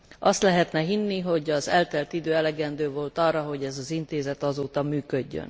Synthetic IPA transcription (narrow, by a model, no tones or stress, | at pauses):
ʔɒst̪lɛɦɛt̪nɛɦinːiɦo̞ɟɒzɛlt̪ɛlt̪id̪øːɛlɛɡɛnd̪øːvo̞lt̪ɒrːɒɦo̞ɟɛzɒzint̪eːzɛt̪ɒzoːt̪ɒmyːkø̞ɟːø̰n